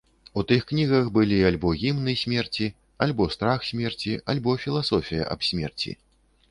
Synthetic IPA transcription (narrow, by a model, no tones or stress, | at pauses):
ut̪ɨxknʲiɣɐxbɨlʲialʲbɔɣʲimnɨsʲmʲɛrt͡sʲi | alʲbɔst̪ɾaxsʲmʲɛrt͡sʲialʲbɔfʲilˠasɔfʲijɐ̰ʔɐ̰bsʲmʲɛ̰rt͡sʲḭ